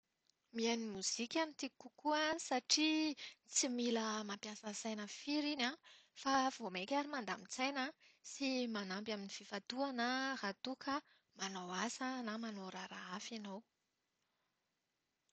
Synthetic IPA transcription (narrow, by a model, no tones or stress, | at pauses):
mianimuz̥ikʲanit̪ikukuəsaʈ͡ʂit͡similəmampjasəsajnəfiɾinafav̥omekʲaɾimand̪a̰mit͡sajnasimanambaminififat̪uanərat̪ukʰə | manowasanamanoɾaɾaafinow